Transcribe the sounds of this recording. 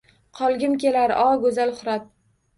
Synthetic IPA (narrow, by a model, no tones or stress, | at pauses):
qʰɒlˠɡʲɪmkʲe̞laɾ̰ʔɒɡɵzalχʊɾat̪̚